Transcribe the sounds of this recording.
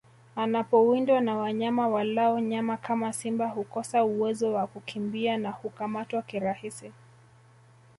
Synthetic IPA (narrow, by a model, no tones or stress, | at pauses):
anapɔwindwanawaɲamawalaɔɲamakamasimbahukɔsauwɛzɔwakukʰimbianahukamatwakiɾahisi